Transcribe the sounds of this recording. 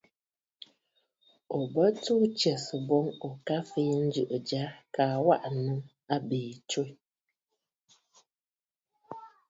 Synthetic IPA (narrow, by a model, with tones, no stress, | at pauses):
o˨bə˦tu˦t͡ʃɛ˨sɨ˨bɔ˦ŋo˨ka˦fi˦jɛ˦n̩˦d͡ʒɨ˨ʔɨ˨d͡ʒa˦kaː˨wa˦ʔnɨ˦ŋ | a˦biː˨t͡ʃo˦j